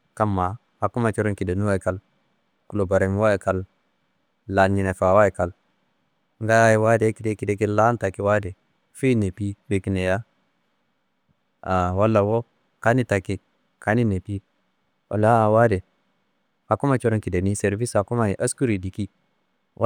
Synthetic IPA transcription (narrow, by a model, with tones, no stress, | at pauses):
ka˦mːa˨ | ha˨ku˦ma˨t͡ʃo˦ɾo˦nki˨de˨nu˦wa˦i˨ka˨l | ku˨lo˨ba˨ɾe˨m˦wa˦e˨ka˦lː | a˨nːi˨ne˨fa˨wa˦i˨ka˨l | ŋɡa˦ja˦ji˨wa˦de˨˦ki˨de˦ki˨de˦ki˦la˦n˦ta˨ki˦wa˦de˨ | fi˦ne˨pi˦we˨ki˨ne˨ja˦ | a˨wa˦lːa˨wo˦ | ka˦ni˦ta˨ki˨ | ka˦ni˦ne˨pi˦ | o̰˨la˦˨wa˦de˨ | ha˨ku˦ma˦t͡ʃo˦ɾo˦nki˨de˨ni˦se˨ɾvi˦sa˨ku˦ma˦˨i˨ʔa˦sku˦ɾi˨di˨ki˦ | w